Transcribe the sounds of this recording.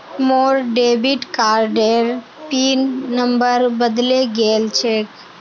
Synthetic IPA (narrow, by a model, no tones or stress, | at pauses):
moːɾɖeːbiʈkaːɾɖeːɾ | piːnːəmbəɾbəd̪leɡeːlt͡ʃʰeːk